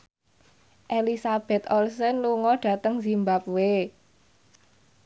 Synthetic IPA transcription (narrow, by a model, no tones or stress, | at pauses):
ʔelisab̥ɛ̤t̪ɔlsɛnluŋɔɖ̥ä̤t̪əŋzimbap̚we